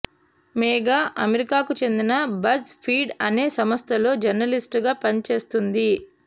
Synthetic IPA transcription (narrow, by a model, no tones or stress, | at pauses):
meːɡaːʔɐmeɾikaːkut͡ʃe̞nd̪inɐbɐspʰiːɖɐne̞ːsɐmɐst̪ʰɐlo̞ːd͡ʒɐɾnɐlisʈɡaːpɐnt͡ʃe̞ːst̪und̪i